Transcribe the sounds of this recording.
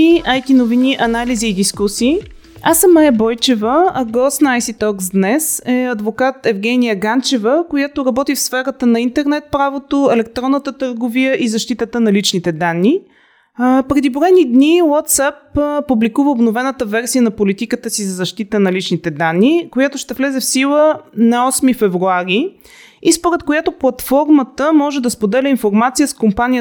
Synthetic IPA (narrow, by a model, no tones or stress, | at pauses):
iajt̪inoviniʔɐnaliziːd̪iskusiː | asəmːajəbɔjt͡ʃɛvəːɡɔsnajsit̪ɔksd̪nɛsɛɐd̪vokat̪ɛvɡɛnijəɡant͡ʃɛvəkojat̪oɾɐbɔt̪ifsfɛɾət̪ənɐint̪ɛɾnɛt̪̚pɾavot̪oɛlɛkt̪ɾɔnːət̪ət̪əɾɡovijəʔizɐʃt̪it̪ət̪ənɐlit͡ʃnit̪ɛd̪anːi | pɾɛd̪iboɛnid̪niwat̪sapːublikuvəobnovɛnət̪əvɛɾsijənɐpolit̪ikət̪əsizɐzɐʃt̪it̪ənɐlit͡ʃnit̪ɛd̪anːikojat̪oʃt̪ɛvlɛzɛfsilˠənɐɔsmifɛvɾuaɾi | ispoɾɛt̪kojat̪oplˠɐt̪fɔɾmət̪əmɔʒɛd̪ɐspod̪ɛlʲɛinfoɾmat̪sijəskompanʲijə